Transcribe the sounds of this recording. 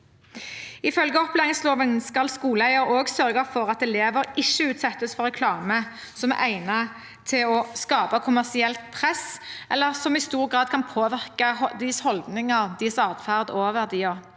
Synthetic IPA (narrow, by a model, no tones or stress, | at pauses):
ɪfœlɡəɔpleːʁɪŋsloːʋənskɑlskuːləæɪəɾoːɡsœʁɡəfɔʁɑt̪ɛleːʋəɾɪʃːəʉːt̪sɛt̪ːəsfɔɾɛkʰlɑːmə | sɔmæʔæɪnɑ | t̪ʰɪlɔskɑːpɑkʰʊmæʁsɪɛlt̪pʰʁɛsʔɛlːəʁsɔmɪst̪uːʁɡʁɑːd̪̚kʰɑnpʰoːʋɪʁkɑd̪ɪshɔld̪nɪŋɑʁd̪ɪsɑːd̪fæʁd̪oːʋəʁd̪iːɔʁ